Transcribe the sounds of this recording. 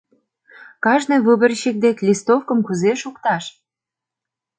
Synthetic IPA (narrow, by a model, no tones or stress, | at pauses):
kɑʒnɨ̆jβɨbə̆rɕik̚d̪ekʲlʲist̪ofkə̆mkuzeʃukt̪ɑʃ